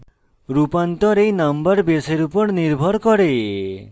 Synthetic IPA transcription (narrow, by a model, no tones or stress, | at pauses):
ɾupant̪ɔɾejnəmbəɾbeseɾupɔɾniɾbʱɔɾkɔɾe